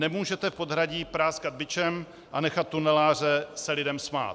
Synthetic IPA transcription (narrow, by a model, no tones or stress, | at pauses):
nɛmuːʒɛt̪ɛfpo̞d̪ɦɾaɟiːpɾaːskad̪̚bɪt͡ʃɛm | ʔanɛxat̪ːunɛlaːr̝ɛsɛlɪdɛmsma̰ːt̪